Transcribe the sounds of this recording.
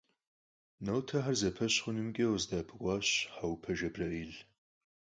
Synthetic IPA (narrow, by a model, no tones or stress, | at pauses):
nɐwtʰɐħarzɐpʰɐɕχʷʊnɨmɡʲɐwzdaːpʰɨɡʷɑːɕħawpʰɐʒɐbrɐʔiːɮ